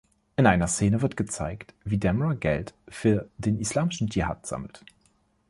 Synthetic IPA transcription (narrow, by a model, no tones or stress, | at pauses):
ʔɪnʔaɪnɐst͡seːnəvɪɐt̚ɡ̥ət͡sa̰ɪktv̥iːdɛməʁaɡɛ̰ltfyːɐdeːnʔislaːmɪʃn̩d͡ʒiha̰ːtz̥a̰ml̩t